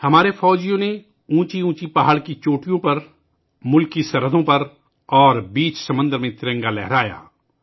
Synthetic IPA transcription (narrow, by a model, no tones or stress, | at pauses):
hɐmaːɾefɔːd͡ʒijõne | ũːt͡ʃiũːt͡ʃipaːɦəɽkit͡ʃoːʈijõpɐɾ | mʊlkisɐɾəd̪ʱõpɐɾ | ɔːɾbiːt͡ʃsɐmə̃nd̪əɾmẽt̪ɪɾə̃ŋɡalɛɦɾaːja̰ː